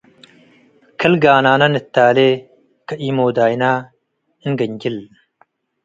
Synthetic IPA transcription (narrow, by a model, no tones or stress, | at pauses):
kʰɐlɡaːnaːnɐnɨt̪ːaːle | kɐʔiːmoːd̪aːjna | ɨnɡɐɲɡil